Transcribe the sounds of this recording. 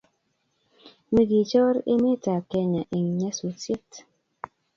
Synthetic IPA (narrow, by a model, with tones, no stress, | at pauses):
mi˦ɡi˨t͡ʃɔ˦ɾḛ˦me˦ta˨kɛ˦ɲa˨ʔe˨ŋ˨ɲɛ˦su˨t͡se˦t